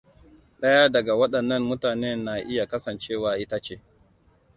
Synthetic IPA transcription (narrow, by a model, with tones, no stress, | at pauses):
ɗɐ˦jaː˦dɐ˨ɡa˨wɐ˦ɗɐ˨nːɐ˦nmʊ˦taː˨neː˦nːa˨ʔɪ˦ja˨kɐ˦sɐ˨nt͡ʃeː˦˨waː˨ʔɪ˦ta˦t͡ʃeː˦